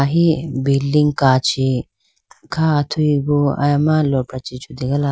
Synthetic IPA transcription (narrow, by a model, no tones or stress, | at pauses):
aɦibilːiŋɡkaːt͡ʃi | kʰaːt̪ʰuiɡuɐ̰jɐmalopɾɐt͡ʃit͡ʃʰud̪iɡɐla